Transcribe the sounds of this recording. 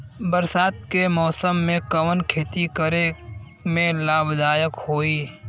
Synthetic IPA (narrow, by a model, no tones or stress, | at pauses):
bəɾsaːt̪̚kemɔːsəmːẽkəʋənkʰeːt̪ikəɾe | mẽlaːbd̪aːjəkhoːiː